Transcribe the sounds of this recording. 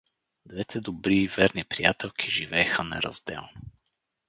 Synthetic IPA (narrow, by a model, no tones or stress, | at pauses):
d̪vɛt̪ʰɛd̪obɾiːvɛɾnipɾijat̪ɛlˠkʰiʒivɛːxənɛ̰ɾɐ̰zd̪ɛ̰lˠno